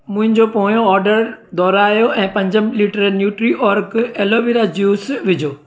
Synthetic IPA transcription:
mʊ̃ɦɪ̃ɲd͡ʑopoɦjoɔːɾɖəɾd̪ɔːɾaːjoʔɛ̃ːpɐ̃ɲd͡ʑəmliʈəɾnjuːʈɾiʔɔːɾkeːloːʋiɾad͡ʑjuːsʋɪd͡ʑʱoː

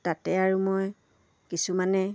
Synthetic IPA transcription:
tatɛaɹumoj | kisumanɛ

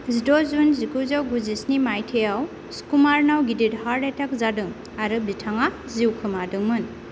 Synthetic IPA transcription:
zidozunzikuzawɡuzisnimajtʰejaw | skumaɾnawɡididhaɾɾetʰak̚zadɯŋ | aɾɯbitʰaŋa | ziwkʰɯmadɯŋmɯn

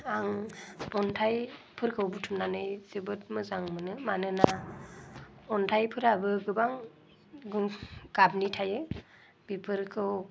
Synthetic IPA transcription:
aŋɔntʰajpʰɯɾkʰɯwbutʰumnanɯjzɯbɯt̚mɯzaŋmɯnɯmanɯna | ɔntʰajpʰɯɾabɯɡɯbaŋ | ɡɯɡ̥abnitʰajɯ | bipʰɯɾkʰɯw

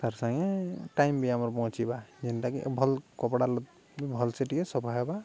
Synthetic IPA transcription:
t̪aɾsaŋɛʈajmbiamɔɾpɔ̃t͡ʃibad͡ʒintakḭʔbʱɔlkɔpɽalɔ | bibʱɔlseʈikɛsɔpʰaɦaba

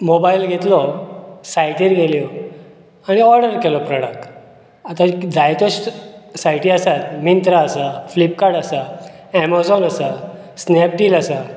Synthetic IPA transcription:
mobailɡʱet̪lɔsajʈiɾɡʱelijɔ | aɽ̃iɔɾɖəɾkelɔpɾɔɽək̚ʈ | at̪ad͡zʱajt̪oɕsajʈiːasat̪mint̪ɾaːsaflip̚kaɾɽasa | ɛmazɔnasa | snɛp̚ʈiːlasa

